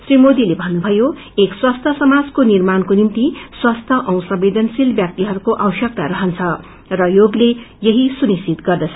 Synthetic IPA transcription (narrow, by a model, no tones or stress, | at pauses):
srimod̪ilebʱʌnːubʱʌjo | ekswast̪ʰʌsʌmad͡zkonirmankonimt̪iswast̪ʰʌʔʌw̃sʌbed̪ʱʌnsilbjak̚t̪iɦʌɾukoʔawsjʌk̚t̪aɾʌɦʌnt͡sʰʌ | rʌjoɡle | jʌɦisunisit̪ɡʌrd̪ʌt͡sʰ